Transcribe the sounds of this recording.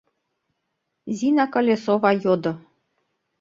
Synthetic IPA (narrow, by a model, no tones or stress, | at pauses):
zʲinakəlʲesovɑjod̪ɤ̆